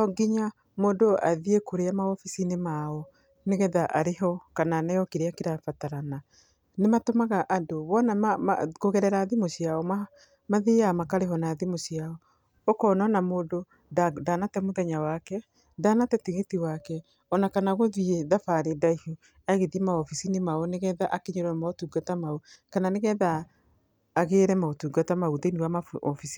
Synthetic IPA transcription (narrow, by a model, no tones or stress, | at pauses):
ɔɡiɲa | mondoa̰ðiekoɾeamaɔfisinemaɔ | neɣɛðaʔaɾeɦɔkananajɔkeɾeakiɾafataɾana | nematomaɣaʔandoβɔnaa̰koɣɛɾɛɾaðimosiaɔma | maðeamakaɾeɦɔnaðimosiaɔ | okɔnɔnamoːdo | dadanatɛmoðɛɲawakɛ | danatɛtiɣetiwakɛ | ɔnakanaɣoðieðafaɾedaihu | aɣeðimaɔfisinemaoneɣɛðaʔakeɲoɾɛmaotuːɡatamaokananeɣɛðaː | ɣeːɾɛmaotuːɡatamauðeniwamaɔfisi̥